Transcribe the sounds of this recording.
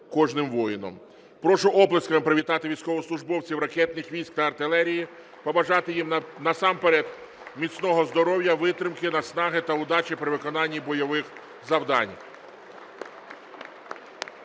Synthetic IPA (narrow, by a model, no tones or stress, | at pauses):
kɔʒnɪmʋɔjɪnɔ̰m | pɾɔʃʊʔɔblˠɐskɐmɪpɾɪʋʲit̪ɑt̪ɪʋʲijsʲkɔʋɔslˠʊʒbɔwt͡sʲiwɾɐkɛt̪nɪxʋʲijsʲk̚t̪ɐɐrt̪ɪlˠɛɾʲiji | pɔbɐʒɑt̪ɪjimnɐsɑmpeɾɛd̪ | mʲit͡sʲnɔɦɔzd̪ɔɾɔwjɐʋɪt̪ɾɪmkɪnɐsnɑɦɪt̪ɐʊd̪ɑt͡ʃipɾɪʋɪkɔnɑnʲːibɔjɔʋɪx | zɐwd̪ɑ̰nʲ